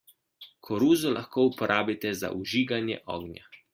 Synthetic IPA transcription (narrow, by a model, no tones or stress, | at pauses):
kʰɔɾuːzɔlʔaxkoːupɔɾʔaːbit̪ɛza̰ʔuʒiːɡanjɛ̰ʔɔ̰ːɡnja̰